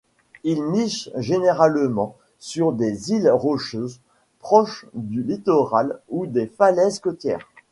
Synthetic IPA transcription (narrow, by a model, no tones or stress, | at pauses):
ilmiʃʒeneʁalmɑ̃ | syʁd̪ezilʁɔʃøz | pχɔʃd̪ylit̪ɔʁalud̪efalɛzkɔt̪jɛ̰ːʁ